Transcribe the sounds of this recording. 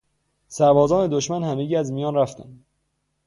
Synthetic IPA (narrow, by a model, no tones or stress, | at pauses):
sæɾbɒːzɒːne̞d̪oʃmænhæmeɟiːæzmijɒːnræft̪ænd̪